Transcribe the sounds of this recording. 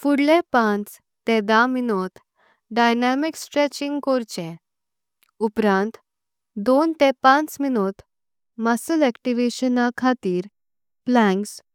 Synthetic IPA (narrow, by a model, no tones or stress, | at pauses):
fuɽlepãnt͡s | t̪ɛd̪aminot̪ | ɖajnamiksʈɾet͡ɕĩŋɡkoɾt͡ɕẽ | upɾãnt̪ | d̪ont̪ẽpãnt͡sminot̪ | masəlɛkʈiʋeɕənakʰat̪iːɾ | plɛ̃ŋks